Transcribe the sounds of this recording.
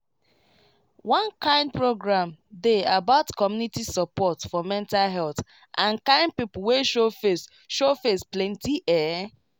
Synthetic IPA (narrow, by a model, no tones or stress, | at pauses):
wɔ̃nkãɪ̃nd̚pɹoɡɹãmdeabaʊtkɔmjunitisɔpɔtfɔmɛ̃ntalɦɛlθ | ʔãnkãɪ̃nd̚pipʊweʃoe | ʃofesplɛ̃ntiʔɛ